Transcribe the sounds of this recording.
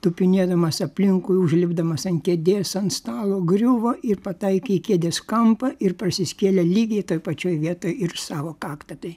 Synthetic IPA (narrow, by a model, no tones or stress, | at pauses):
t̪ʊpʲɪnʲeɛd̪ɐmɐsɐpʲlʲɪŋkʊjʊʒʲlʲɪbd̪ɐmɐsɐnkʲed̪ʲeːsɐnt̪st̪ɑːlˠoːɡɾʲʊʋoːʔɪrpɐt̪ɐɪkʲekʲeɛd̪ʲeskɐmpɐɪrprɐsʲɪsʲkʲeːlʲɛlʲiːɡʲɛjt̪oːjpɐt͡ʃʲoːjʋʲiɛt̪oːjɪrsɑːʋoːkɑːkt̪ɐt̪ɐj